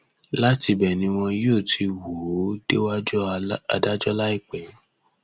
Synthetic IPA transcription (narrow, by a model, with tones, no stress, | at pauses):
la˦ti˧bɛ˨nĩ˧w̃ɔ̃˧joː˦˨tʰi˧wo˨˦d̥e˦wa˦d͡ʒɔ˦a̰˨da˦d͡ʒɔ˦la˦i˦˨k͡pɛ˨˦